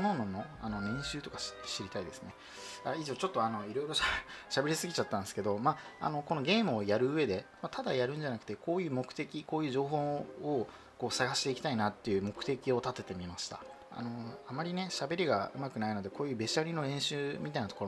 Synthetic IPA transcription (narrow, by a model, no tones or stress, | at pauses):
nononːo̞a̰no̞nẽ̞ɰ̃ɕɨːt̪okḁɕɕiɾʲit̪aid̪e̞sɨ̥ne̞ | aiʑo̞ːt͡ɕo̞t̪ːo̞ano̞iɾo̞iɾo̞ɕaɕabe̞ɾʲisɨɡʲit͡ɕat̪ːãnd̪esɨ̥ke̞d̪o̞maa̰no̞ko̞no̞ɡʲe̞ːmɯ̟ojaɾɯ̟ɯe̞d̪e̞mat̪ad̪ajaɾɯ̟̃ɲ̟d͡ʑanakɯ̟̥t̪e̞ko̞ːjɯ̟ːmo̞kɯ̥t̪e̞kʲiko̞ːjɯ̟ːʑo̞ːɦo̞ː | ko̞ːsaɡaɕi̥t̪e̞ikʲi̥t̪ainat̪ːe̞jɯ̟ːmo̞kɯ̟t̪e̞kʲio̞t̪at̪e̞t̪e̞mʲimaɕi̥t̪a̰ | a̰no̞amaɾʲine̞ɕabe̞ɾʲiɡa̰ɯ̟̰makɯnaino̞d̪e̞ko̞ːjɯ̟ːbe̞ɕaɾʲino̞ɾẽ̞ɰ̃ɕɨːmʲit̪ainat̪okoɾ